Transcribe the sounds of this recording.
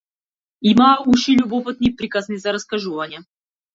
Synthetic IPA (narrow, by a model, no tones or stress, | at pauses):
imauʃilʲʊbɔpɨt̪nɨjpɾʲikaznɨzɐɾɐskɐʒuvɐnʲɪɛ